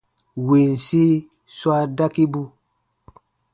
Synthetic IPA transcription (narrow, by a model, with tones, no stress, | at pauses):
wi˨nsi˦ | swa˦da˦ki˦bu˦